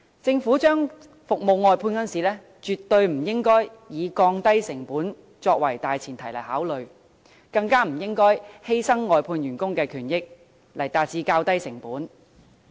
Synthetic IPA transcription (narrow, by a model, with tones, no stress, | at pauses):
t͡sɪ˧ŋfuː˨˥t͡ʃœː˥ŋ | fʊ˨k̚mo˨wŋɔː˨˧jpʰuː˧nkɐ˥nsiː˨lɛː˥ | t͡ʃyː˨t̪ːɵ˧ɥm̩˨˩jɪ˥ŋkɔː˥j | jiː˨˧kɔː˧ŋt̪ɐ˥jsɪ˨˩ŋpuː˨˥n | t͡sɔː˧k̚wɐ˨˩jt̪aː˨jt͡sʰiː˨˩nt̪ʰɐ˨˩jlɐ˨˩haː˨˥wlɵ˨ɥ | kɐ˧ŋkaː˥m̩˨˩jɪ˥ŋkɔː˥jhe˥jsɐ˥ŋːɔː˨jpʰuː˧njyː˨˩nkʊ˥ŋkɛː˧kʰyː˨˩njɪ˥k̚ | lɐ˨˩jt̪aː˧t̚t͡siː˧kaː˧wt̪ɐ˥jsɪ˨˩ŋpuː˨˥n